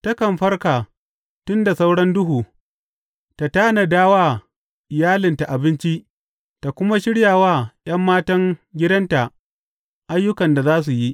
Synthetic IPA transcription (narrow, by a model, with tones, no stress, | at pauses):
tɐ˦kɐ˨mɸɐ˦rkaː˨ | tʊ˦nda˨sa˦wɽɐ˦ndʊ˦ɦuː˨ | ta˨taː˦na˨daː˦waː˦ | ʔɪ˨jaː˦lɪ˨nta˨ʔa˨bɪ˦nt͡ʃi˦ʔ | ta˨kʷʊ˦ma˦ʃɪ˦ɽjaː˨waː˦j̰ɐ˦mːaː˦tɐ˦ŋɡʲɪ˦dɐ˦nta˨ʔ | ʔa˦jːʊ˦kɐ˨nda˨zaː˦s̬u˨ji˦ʔ